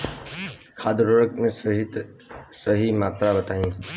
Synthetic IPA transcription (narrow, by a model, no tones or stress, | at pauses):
kʰaːd̪ɾoɾəkmẽɦi | səɦimaːt̪ɾabət̪aːĩː